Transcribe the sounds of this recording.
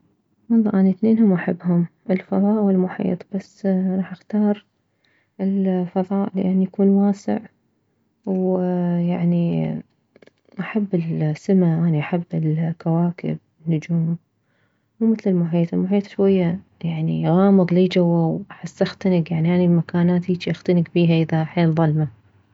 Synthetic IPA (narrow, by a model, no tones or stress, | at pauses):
wɑlˤːɑ̰ːʔaniθneːnhʊmʔaħabːhʊmʔɪlfɑðˤɑːʔwɪlmʊħḭːt̪ˤb̥asːɾˤɑːħʔaxt̪ɑːɾˤ | ɪlfɑðˤɑːʔlɪ̰ʔanːjakuːnwaːsɪ̰ʕ | wjaʕni | ʔaħabːɪlsːɪmaʔaːniʔaħabːɪlkawaːkɪ̰b̚ | ɪnːʊd͡ʒuːm | wmɪθlɪlmʊħiːt̪ˤɪlmʊħiːt̪ˤʃwajːa | jaʕnḭɣɑːmɨðˤliːd͡ʒawːawaħasːaxt̪anɪɡjaʕniʔaːnibmakaːnaːt̪iːt͡ʃiʔaxt̪anɪɡbiːɦaʔɪðaħeːlðˤɑlma